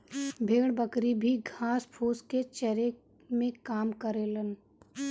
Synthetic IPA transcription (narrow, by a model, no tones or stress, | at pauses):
bʱeːɽbəkɾibʱiɡʱaːspʰoːsket͡ʃɛɾe | mẽkaːmkəɾeːlən